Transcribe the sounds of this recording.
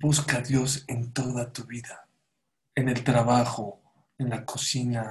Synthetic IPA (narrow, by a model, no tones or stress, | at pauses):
buskaðjo̞sent̪o̞ðat̪uβiða | ene̞lt̪ɾaβaxo | enlakʰosina